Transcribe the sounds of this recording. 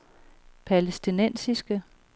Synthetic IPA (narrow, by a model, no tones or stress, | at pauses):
pʰælesd̥inen̰sisɡ̥ə